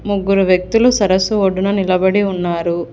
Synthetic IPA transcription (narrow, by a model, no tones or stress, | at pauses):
muɡːuɾuʋjɐk̚t̪ulusɐɾɐsuoɖːunɐnilɐbɐɽiunːaːɾu